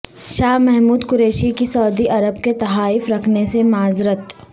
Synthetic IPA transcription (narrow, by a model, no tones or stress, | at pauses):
ʃaːɦmɛɦmuːd̪kʊɾeːʃikisɐːd̪iʔɐɾəbket̪ɐɦaːɪfɾɐkʰnesemaːzɾət̪